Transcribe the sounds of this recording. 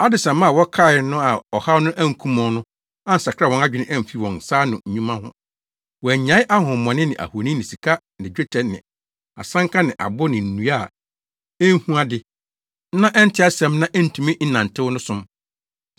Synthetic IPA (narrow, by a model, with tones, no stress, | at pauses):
a˦dɪ˨sɛ̃˨mã˦˨wɔ˦kʰa˦˨ɪ˨˦nʊ̃˦a˨ɔ˨ha˦nʊ̃˦ʔæ̃˦ŋ̩˨kʰũ˦mɔ̃˨nʊ̃˦ | ã˦n̩˨sa˨kʰɾa˦˨wɔ̃˨na˦d͡ʑᶣɪ˨nɪ̃˦ʔɛ̃˦m̩˨fi˦wɔ̃˨n˨saː˦nʊ̃˨ɲ̩˨ɲũ˦mã˦hʊ̰̃˦ | wɔ˨æ˨ɲã˨˦ɪ˦ʔa˦hʊ̃˨mɔ̃˨nɪ̃˦nɪ̰̃˨ʔa̰˨ho˨nĩ˦nɪ̃˨si˨kʰa˦ | nɪ̃˨d͡ʑᶣe˦tʰɛ˨nɪ̰̃˨ | a̰˨sã˦ŋkʰa˦nɪ̃˨ʔa̰˨bʊ˦nɪ̃˨n̩˨nũ˨˦a˦˨ | ɛ˦n˦hũ˦a˦dɪ˨˦ | nã˦ʔɛ˦n̩˦tʰɪ˦a˦sɛ̃˨˦mnã˦ʔɛ˦n̩˨tʰũ˨mĩ˦n̩˦nã˨n̩˨tʰɪ˦wʊ˦nʊ̃˦sʊ̃˦m